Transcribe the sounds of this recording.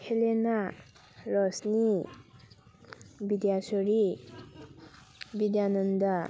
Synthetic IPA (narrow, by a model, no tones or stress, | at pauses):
kʰelena | ɾɔsni | bid̪jasɔɾi | bid̪janənd̪a